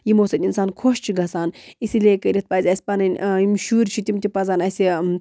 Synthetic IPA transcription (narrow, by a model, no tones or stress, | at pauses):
jimoːsɐt̪ʲinsaːnkʰoʃt͡ʃʰiɡɐsaːnisileːkɐɾʲit̪̚pɐːzʲɐsʲi̥pɐnɐnʲimʃuːɾʲt͡ʃʰit̪ʲimt̪ipɐzaːnɐsʲi